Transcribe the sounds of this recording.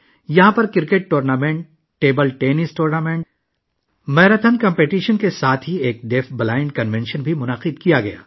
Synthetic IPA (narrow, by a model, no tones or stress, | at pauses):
jɐɦãpɐɾkɪɾkeːʈ̚ʈoːɾnaːmẽɳʈː | eːbəlʈeːnɪsʈoːɾnaːmẽɳʈ | mɛːɾət̪ʰənkɐ̃mpeːʈiːʃənkesaːt̪ʰɦieːk̚ɖeːfʰbɐlaːɪ̃ɳɖkɐnʋɛ̃nʃənbʱimʊnaqɪd̪kijaɡɐja̰ː